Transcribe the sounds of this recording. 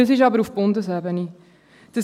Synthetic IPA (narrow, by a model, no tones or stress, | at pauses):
əs̬ɪʃ̬ɑbəɾufb̥ʊndəsɛbəni | d̥əs